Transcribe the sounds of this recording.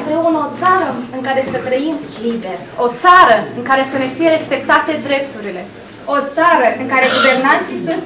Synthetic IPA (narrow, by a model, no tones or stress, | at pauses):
ɨmpɾeunəot̪saɾəɨŋkaɾe̞sət̪ɾəimlibe̞rʲ | o̞t̪saɾəɨŋkaɾe̞sənefije̞ɾe̞spe̞k̚t̪at̪e̞d̪ɾe̞p̚t̪uɾile̞ | o̞t̪saɾəɨŋkaɾeɡuve̞rnant̪sijsunt̪